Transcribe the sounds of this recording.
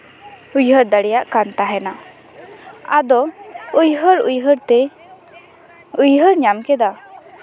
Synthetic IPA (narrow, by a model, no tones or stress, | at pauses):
ujɦəɾd̪aɽɛjaʔkant̪aɦɛna | ad̪ɔujɦəɾṵjɦəɾt̪ɛ | ujɦəɾɲamkɛd̪a